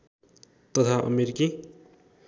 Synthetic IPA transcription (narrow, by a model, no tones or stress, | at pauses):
t̪ʌt̪ʰaʔʌ̰meɾiki